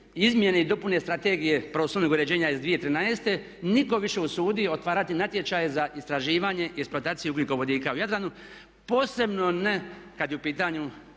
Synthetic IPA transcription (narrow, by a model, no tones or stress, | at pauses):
izmʲje̞neid̪o̞pune̞st̪ɾat̪e̞ːɡije̞pɾaʋoslˠaʋnoɡuɾe̞d͡ʑe̞ːɲaizd̪ʋijet̪ɾinaest̪e̞ | niko̞ʋiʃe̞usuːd̪ijot̪ʋaːɾat̪inat̪je̞t͡ʃaje̞zaʔist̪ɾaʒiːʋaɲe̞ʔieksploat̪aːt̪sijukoliko̞ʋo̞d̪iːkaujad̪ɾanu | po̞ːse̞bno̞ne̞kad̪jeupiːt̪aɲu